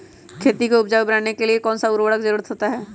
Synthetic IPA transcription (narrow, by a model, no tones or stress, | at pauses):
kʰeːt̪ikoʊp̚d͡ʒaːwbɾaːnekeliekɔːnsaʊɾʋəɽək̚zəɾuːɾət̪ɦoːt̪aɦɛː